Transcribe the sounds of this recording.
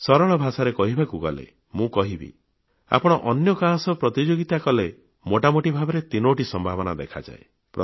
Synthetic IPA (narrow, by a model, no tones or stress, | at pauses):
sɔɾɔɭ̃ɔbʱasaɾekɔɦibʱakuɡɔ̰lḛ | mũkɔɦibḭ | a̰pɔɽ̃ɔʔɔnjɔkasɔpɾɔt̪id͡ʒoɡit̪akɔle | moʈamoʈibʱabɔɾet̪inoʈisɔmbʱabɔnad̪ḛkʰa̰d͡ʒa̰e | pɾɔ